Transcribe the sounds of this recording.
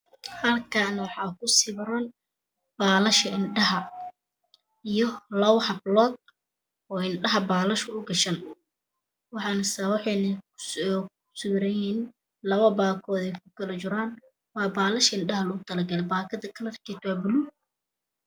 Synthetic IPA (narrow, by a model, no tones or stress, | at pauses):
hɐlkʰanwɑħɑːkʰʊsɪβɾɐn | b̥aːlɐʃɐɪnɖɐɦɐ | ijɔlɐwhɐblɔːd̪̚ | ɔːɪnɖɐɦɐbaːlɐʃɐʊɡɐʃɐn | wɑħɑːnɐsawɑħɛnɐ | sʊwɾɐjiːn | lɐβɐbaːkʰɔːðɛjkʰʊ̥kʰɐlɐt͡ʃɪɾaːn | wɑːbaːlɐʃɐɪnɖɐɦɐlɐɣʊt̪ʰɐlɐɡɐlɛbaːkʰɐðɐkʰɐlɐrkʰiːt̪ʰwaːbʊlu